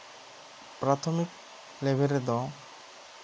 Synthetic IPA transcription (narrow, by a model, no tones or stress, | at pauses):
pɾat̪ʰɔmik̚ | lɛbɛɾɛd̪ɔ̃